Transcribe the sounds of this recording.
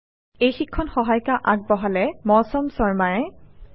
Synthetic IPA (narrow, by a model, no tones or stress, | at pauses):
ejxikʰːɔnxɔɦajkaʔaɡ̚bɔɦalɛmɔsɔmsɔɹmaɹɛ